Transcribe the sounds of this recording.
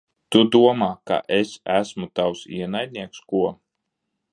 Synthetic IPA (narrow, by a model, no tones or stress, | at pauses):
t̪ud̪uɔmaːka̰ʔesæsmut̪awsḭɛnajd̪ʲnʲiɛkskuɔ